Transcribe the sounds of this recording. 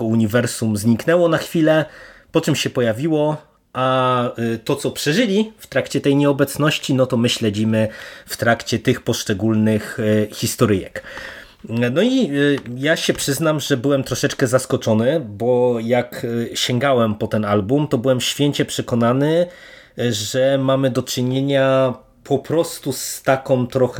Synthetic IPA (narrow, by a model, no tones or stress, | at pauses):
ɔuɲivɛɾsumzɲiknɛwɔnaxfʲilɛpɔt͡ʂɨmɕɛpɔjavʲiwɔ | ʔa | t̪ɔt̪sɔpʂɛʐɘlʲift̪ɾakt͡ɕɛt̪ɛjɲɛɔbɛt̪snɔɕt͡ɕinɔt̪ɔmɘɕlɛd͡ʑimɘft̪ɾakt͡ɕɛt̪ɘxpɔʂt͡ʂɛɡulnɘxxʲist̪ɔɾɘjɛ̰k | nɔijaɕɛpʂɘznamʐɛbɘwɛmt̪ɾɔʂɛt͡ʂkɛzaskɔt͡ʂɔnɘbɔjakɕɛŋɡawɛmpɔt̪ɛnalbumt̪ɔbɘwɛmɕfʲjeɲt͡ɕɛpʂɛkɔnanɘ | ʐɛmamɘd̪ɔt͡ʂɘɲeɲa | pʰɔpɾɔst̪ust̪akɔ̃w̃t̪ɾɔx